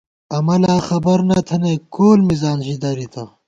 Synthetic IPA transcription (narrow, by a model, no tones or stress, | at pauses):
ɐmɐlaːxɐbɐɾnɐt̪ʰɐnekoːlmizaːnɕid̪ɐɾit̪ʰɐ